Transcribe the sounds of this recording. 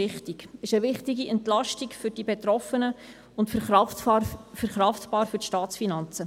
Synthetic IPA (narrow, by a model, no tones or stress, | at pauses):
ɪχtiɡɪʃəʋɪχtiɡiɛntlɑʃtikfʏɾd̥ibet̪ɾɔfənə | ʊntfəɾχɑffəɾχɾɑftpɑːɾfɵtʃtɑːt͡sfinɑnt͡sə